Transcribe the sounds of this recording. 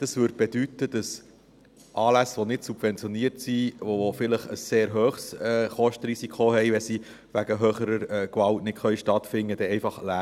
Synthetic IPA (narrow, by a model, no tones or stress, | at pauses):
d̥ɑsʋʏːɾd̚b̥ɛd̥ytːəd̥ɑs | ʔɑːlæsʋonɪtsub̥vɛnt͡sjoniəɾtsiʋoofɪləχə̰sːeːɾɦøːχsɛːχɔʃtəɾisikʰχohɛjʋɛsi | ʋæɡəɦøːχəɾəɾɛkʋɑltnɪtχœjʃtɑtfɪnːəd̥ɛɛɪfɑχlæ